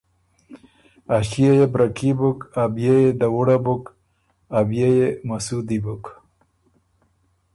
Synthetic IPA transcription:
aɕijajebɾakibukabjejed̪awuɽabuk | abjejemasud̪ibuk

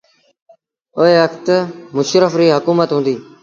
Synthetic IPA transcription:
oːɦeːʋəkʰt̪mʊʃɾəfɾiːɦəkuːmət̪ɦũːnd̪iː

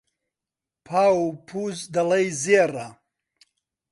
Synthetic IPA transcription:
pʰaːupʰuːzd̪ɐlɐjzeːra

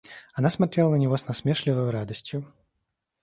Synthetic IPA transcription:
anasmat̪ɾʲelˠənənʲɪvɔsnɐsmʲeʂlʲɪvəjʊɾad̪əsʲtʲjʊ

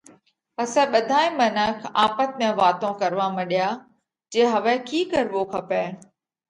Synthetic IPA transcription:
pɐsɛ̃ɓɐd̪ʱaːĩmɐnəkʰaːpət̪̚mẽʋaːt̪õkɐɾʋamɐɗɪjaː | d͡ʑeːɦɐʋɛ̃kiːkɐɾʋokʰɐpeː

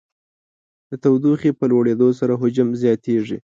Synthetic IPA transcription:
d̪̥ət̪awd̪uxepəlwaɽed̪osaɾaɦʊd͡ʒamzjɑt̪eʐi

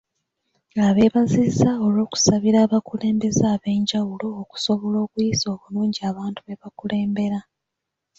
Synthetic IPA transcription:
aβe̞ːβazizao̞lo̞ːku̥saβiɾaːβakule̞ːmbe̞zaːβe̞ːɲɟawulo̞ːku̥so̞βolo̞ːkujizo̞ːβuluːɲɟiaːβaːntuβe̞βakule̞ːmbe̞ɾa

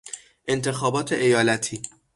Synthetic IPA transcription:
ʔe̞nt̪ʰe̞xɒːbɒːt̪ʰe̞ʔejɒːlæt̪ʰiː

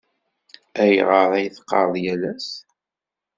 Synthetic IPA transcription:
æj̰ʁəɾˤæjθqːɑ̰ɾˤðˤjælæs

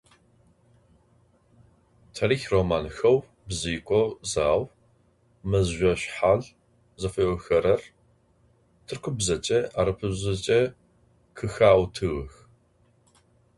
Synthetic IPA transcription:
tʰɐɾiːxromaːnxɐw | bziːkʷʼɔzaːw | mɐzʒʷɔɕħaɮ | zɐfɐʔɔxɐɾɐr | tʰɨrkʷʰʊbzɐt͡ʃʼɐaɾɨpʰɨzɐt͡ʃʼɐ | kʰɨxaːwtʰɨɣɨx

